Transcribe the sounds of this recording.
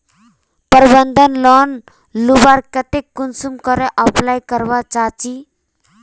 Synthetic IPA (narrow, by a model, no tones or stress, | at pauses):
pəɾbənd̪ʱənlɔn | lubaɾkət̪ekːunsumkɔɾeʔəplajkəɾʋat͡ʃaːt͡ʃi